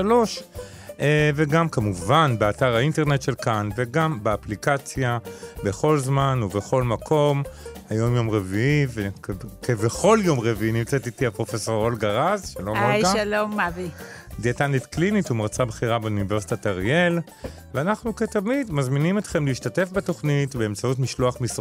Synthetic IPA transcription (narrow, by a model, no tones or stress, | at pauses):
ʃalo̞ʃ | eveɡamkamuvanbeataʁainte̞ʁnet̪ʃe̞lkanve̞ɡambeaplikat͡sjabe̞χo̞lzmanuveχo̞lmakʰo̞mhajo̞mjo̞mʁeviivekeveχo̞ljo̞mʁeviinimt͡setit̪iapʁo̞feso̞ʁo̞lɡaʁazʃalomaʃalomːavi | d̪iet̪anet̪klinit̪umaʁt͡sabχiʁabeunive̞ʁsi̥t̪ataʁiel | veanaχnuketamid̪mazminimet̪χe̞mliːʃtate̞fbeto̞χnitbe̞emt͡sautmiʃloaχmis